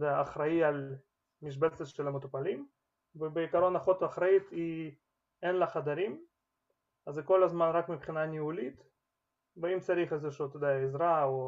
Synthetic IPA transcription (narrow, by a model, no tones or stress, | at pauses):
d̪ejaːχɾaial | miʃ̬belseʃelamot̪opalim | vebeikaɾo̞naχot̪vaχɾait̪i | enlaχad̪aɾim | azeko̞lazmanʁakmipχinanʲiulit̪ | beimt͡saɾiχezeʃut̪od̪ejaezɾao